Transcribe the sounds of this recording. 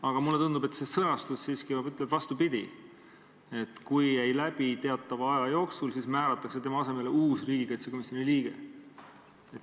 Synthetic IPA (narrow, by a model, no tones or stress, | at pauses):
ɑɡ̥ɑmulːe̞t̪und̪ube̞t̪se̞sɤnɑst̪usːiːskiɑyt̪ːˑleb̪vɑst̪upid̪̥ʲi | e̞t̪kujːæjlæb̥it̪e̞ɑt̪ːˑɑvɑɑjɑjo̞ːksulsiːsmæːɾɑt̪ːˑɑkse̞t̪e̞mɑɑse̞me̞leuːsriːɡ̥ikɑjt̪seko̞misjo̞niliːɡ̥e̞̰ | et̪ː